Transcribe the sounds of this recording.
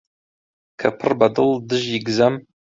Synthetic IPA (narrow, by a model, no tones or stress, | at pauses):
kʰɐpʰɨrbɐdɨldɨʒjɪɡzɐm